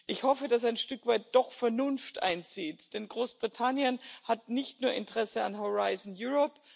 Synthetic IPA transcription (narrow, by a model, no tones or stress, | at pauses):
ʔɪçhɔfədasaɪnʃtʏkv̥aɪt̚d̥ɔχfɛɐnʊnftʔa̰ɪnt͡siːtd̥ɛnɡʁoːsb̥ʁitʰanjənhat̚nɪçtnuːɐʔɪ̰ntʁɛsəa̰nɦoʁaɪzn̩juʁɔp